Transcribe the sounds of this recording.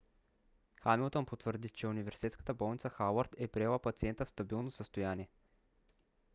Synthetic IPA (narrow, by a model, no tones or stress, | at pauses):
xamilˠt̪onpot̪vəɾd̪it͡ʃɛʊnivɛɾsit̪ɛt̪skə̥t̪əbɔlˠnit̪səxawəɾt̪ɛpɾiɛlˠapɐt̪siɛnt̪əfst̪ɐbilˠnosəst̪ʊjaniɛ